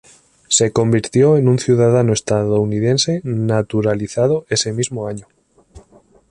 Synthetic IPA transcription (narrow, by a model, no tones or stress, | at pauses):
seko̞mbiɾt̪joenũnθjuð̞að̞anoest̪aðounið̞ensenat̪uɾaliθað̞oesemizmoaɲo